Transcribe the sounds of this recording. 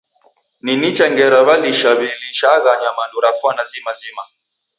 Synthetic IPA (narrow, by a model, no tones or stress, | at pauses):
ninit͡ʃaŋɡɛɾaβaliʃaβiliʃaɣaɲamanduɾafwanazimazima